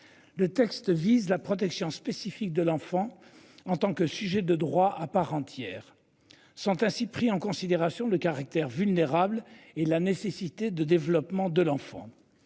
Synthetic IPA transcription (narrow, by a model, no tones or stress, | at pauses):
lət̪ɛkst̪vizlapχɔt̪̬ɛksjɔ̃spesifik̚d̪əlɑ̃fɑ̃ | ɑ̃t̪ɑ̃kəsyʒɛd̪əd̪ʁwaʔapaʁɑ̃t̪jɛːʁ | sɔ̃t̪ɛ̃sipχiɑ̃kɔ̃sid̪eʁasjɔ̃ləkaʁak̚t̪ɛʁvylneʁablelanesesit̪ed̪əd̪evlɔpmɑ̃d̪əlɑ̃fɑ̰̃